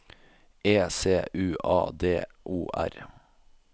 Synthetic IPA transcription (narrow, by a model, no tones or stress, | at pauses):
eːseːʔʉːʔɑ̰ːd̪eː | ʔuːʔæ̰ɾ